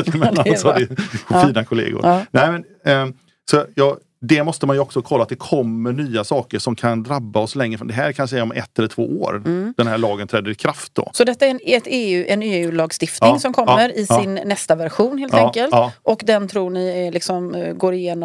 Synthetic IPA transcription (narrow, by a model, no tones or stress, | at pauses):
mɛasɔdɪiːnakʰʊlḛːɡʊ̰ɾnæɪmɛn | sɔjɑː | d̪ɛmɔst̪əmanjɵɔksɔkʰɔlːat̪̚d̪ɛkʰɔmːəɳyːasɑːkəʂɔmkʰand̪ɾabːaɔslɛŋːɾəfɾɔnd̪ɛɦæːɾkʰanʂɛɔmɛ̰t̪ːɛlːət̪ʰv̥o̰ːoːɾd̪̥ɛnhæːɭɑːɡənt̪ʰɾɛːd̪əɾɪkʰɾaft̪̚d̪ɔ̰sɔd̪ɛt̪ːaɛɾɛɛt̪eːʉ̟ːʔɛneːʉ̟ːlɑːɡst̪ɪft̪nɪŋsɔmkʰɔmːəɾɪsɪnːɛst̪avæɾɧuːnheːlt̪ɛkəlt̪ʔɔkd̪ɛnt̪ʰɾuːɳɪælɪksɔmɡoːɾɪjeːnɔ